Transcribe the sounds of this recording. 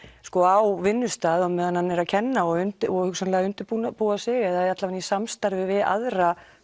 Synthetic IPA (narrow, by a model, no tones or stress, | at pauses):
skɔawvɪnːʏst̪aːðɔmɛðanhanːɛɾaðcʰɛnːaɔɣʏnt̪ɔhʏksanlɛːɣaʏnt̪ɪɾpunapuasɪɣɛðaðat̪lavanisamst̪aɾvɪvɪða̰ðɾa